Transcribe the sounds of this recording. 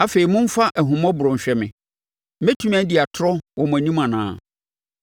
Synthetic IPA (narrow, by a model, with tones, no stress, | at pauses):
a˦fe˨ɾi˨mʊ̃˦m̩˦fa˦ʔɛ˨ɦʊ̃˨mɔ̃˦bʊ˨ɾʊ̃˨m̩˨ɕᶣɛ˨mɪ̰̃˨˦ | mɛ˦tʰu˦m˦æ̃˦dɪ˨a˨tʰʊ˦ɾɔ˦wɔ˨m̃˨æ˨nĩ˦mã˨nã̰ː˨˦˨